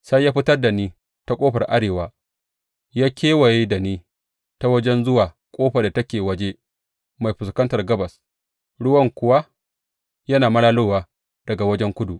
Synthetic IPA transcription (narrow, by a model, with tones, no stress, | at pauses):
sa˦jːaː˦ɸɪ˦tɐ˦rda˨niː˦ | ta˦kʷʼoː˦ɸɐ˨rʔa˦ɽeː˨waː˦ | jaː˦kʲeː˦wa˨ji˦da˨niː˦ | ta˦wɐ˦d͡ʒɛ˦nzʊ˦waː˨ | kʷʼoː˦ɸa˨da˨tɐ˦kʲeː˨wɐ˦d͡ʒe˦ | ma˨jɸɪ˨skɐ˦ntɐ˨rɡɐ˦bɐ˨s | ɽʊ˦wɐ˦ŋkʷʊ˦wa˦ | jɐ˦naː˨mɐ˦ɽaː˦loː˦waː˦ | d̥ɐ˨ɡa˨wɐ˦d͡ʒɛ˦ŋkʷʊ˦du˨ʔ